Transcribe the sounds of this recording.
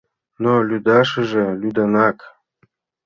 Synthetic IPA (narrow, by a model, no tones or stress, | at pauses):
nolʲyd̪ɑʃɘʒɤ̆lʲyd̪ɑnɑk